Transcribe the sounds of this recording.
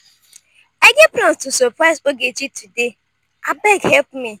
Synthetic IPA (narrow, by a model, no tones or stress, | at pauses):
aɡepɾɔ̃nstusɔpɾazoɡet͡ʃitude | abɛɡhɛlpmi